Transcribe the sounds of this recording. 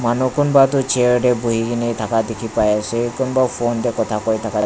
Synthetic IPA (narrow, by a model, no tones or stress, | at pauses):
manukonbat̪ut͡ʃeɹɖebuɦiɡinejt̪ʰakad̪ekʰipajasekonɔbapʰond̪ekɔt̪ʰakɔjt̪ʰaka